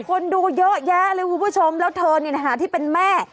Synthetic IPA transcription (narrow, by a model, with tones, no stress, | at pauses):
kʰo˧nduː˧jɤ˦˥ʔjɛː˦˥ɾɯː˦˥˦kʰu˦˥˦pʰu˥˩t͡ɕʰo˧mlɛː˦˥wt̪ʰɤː˧ni˥˩na˦˩ɦaː˩˦t̪ʰiː˥˩pe˧nmɛː˥˩